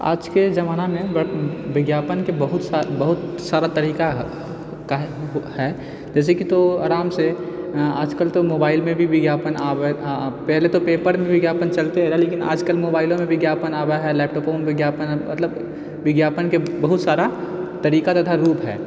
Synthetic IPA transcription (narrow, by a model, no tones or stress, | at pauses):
a̰ːd͡ʒked͡ʒɐmaːnamẽbʋɪɡjaːpənkebɐɦʊt̪sabɐɦʊt̪saːɾat̪ɐɾiːka | ka | hɛː | d͡ʒɛːs̬ekit̪oaːɾaːmse | a̰ːd͡ʒkəlt̪omoːbaːɪlmẽbʱiʋɪɡjaːpənaːwepɛɦlet̪opeːpəɾmẽʋɪɡjaːpənt͡ʃɐlt̪eɦɛɾaleːkɪna̰ːd͡ʒkəlmoːbaːɪlõmẽʋɪɡjaːpənaːwaɦɛlɛːp̚ʈɔːpomʋɪɡjaːpənmɐ̰t̪ləb | ʋɪɡjaːpənkebɐɦʊt̪saːɾat̪ɐɾiːkat̪ɐt̪ʰaɾuːpɦɛ̰ː